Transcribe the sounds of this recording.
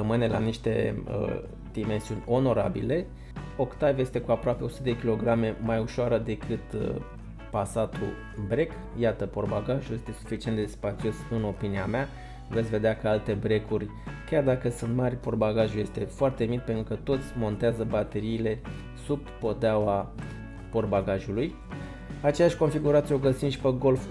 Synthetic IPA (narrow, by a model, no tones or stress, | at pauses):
əmɨne̞la̰niʃt̪e̞ə̰ | d̪̥ime̞nsiunʲo̞no̞ɾa̰bḭle̞ | o̞kt̪avje̞st̪e̞kuapɾoape̞o̞sut̪d̪ekʲilo̞ɡɾame̞majuʃoaɾəd̪e̞kɨt̪ | pasat̪ṵ | bɾe̞k | jat̪əpo̞rbaɡaʒuje̞st̪e̞su̥fit͡ʃient̪d̪eespat̪sio̞sɨno̞piniamea | ve̞t̪sʲve̞d̪eakəalt̪e̞bɾe̞kurʲ | kʲjard̪akəsunt̪marʲpo̞rbaɡaʒuje̞st̪e̞foart̪e̞mit̪pent̪ɾukət̪o̞t̪sʲmo̞nt̪eazəbat̪e̞ɾiːle̞ | subːo̞d̪awa | po̞rbaɡaʒuluj | at͡ʃe̞jaʃʲko̞nfiɡuɾat̪sioɡət̪sinʃi̥pəɡo̞lf